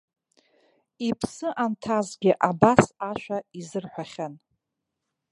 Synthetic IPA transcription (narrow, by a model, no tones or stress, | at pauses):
ipʰsɨʔantʰazɡʲɪʔabasaʃᶣʷaizɨrħʷaχʲan